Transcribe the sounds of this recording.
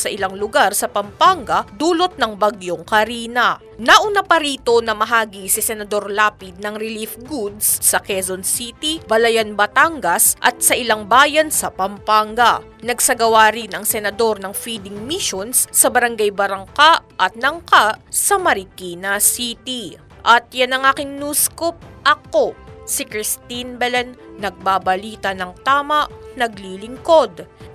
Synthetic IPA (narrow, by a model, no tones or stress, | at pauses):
sɐʔɪlaŋlʊɡaɾsɐpɐmpaŋɡɐd̪uːlot̪̚nɐŋbɐɡjoŋkɐɾiːnɐ | nɐʔʊnapɐɾiːt̪o̞nɐmɐɦaːɡisɪsɛnɐd̪o̞ɾlaːpɪt̪̚nɐŋɾɪlifɡud̪̚sːɐkɛzonsit̪ibɐlɐjanbɐt̪aŋɡɐsʔɐ̰t̪̚sɐʔɪlaŋbaːjɐnsɐpɐmpaŋɡɐ | nɐɡsɐɡɐwaɾinʔɐŋsɛnɐd̪o̞ɾnɐŋfid̪ɪŋmiʃonssɐbɐɾɐŋɡajbɐɾɐŋkaʔʔɐt̪̚nɐŋkaʔsɐmɐɾɪkinɐsit̪i | ʔɐt̪̚janɐŋaːkɪŋnuːskop̚ʔɐko̞sikɾɪst̪inbɛlɛnːɐɡ̚babɐliːt̪ɐnɐŋt̪aːmɐʔnɐɡliːlɪŋko̞d̪